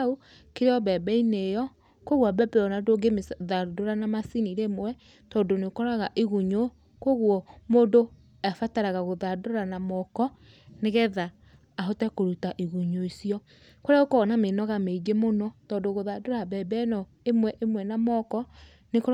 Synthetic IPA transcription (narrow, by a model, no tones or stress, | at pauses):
o | keɾeɔbɛbɛinejɔ | koɣwabɛbɛɔnadoɡemeðadoɾanamasiniɾemwɛ | tɔdonekɔɾaɣaʔiɣuɲo | koɣuɔmoːndo | afataɾaɣaɣoðadoɾanamɔkɔ | neɣɛðaː | ɦotɛkoɾutaʔiɣuɲoisiɔ | koɾeaokɔnamenɔɣameid͡ʒemonɔtɔːndoɣoðadoɾabɛbɛnɔ | emwɛʔemwɛnamɔkɔ | neko